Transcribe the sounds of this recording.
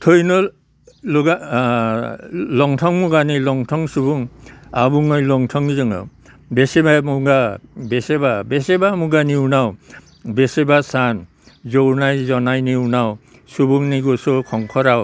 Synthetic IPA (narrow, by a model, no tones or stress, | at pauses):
tʰɔjnɔ | lɔɡa | lɔŋtʰɔŋmuɡanilɔŋtʰɔŋsubuŋabuŋɔjlɔŋtʰɔŋzɯŋɔ̰ | besebajmuŋɡabesebabesebamuɡaniuwnaw | besebasan | zownajzɔnajniwnaw | subuŋniɡɔsɔkʰɔŋkʰɔɾaw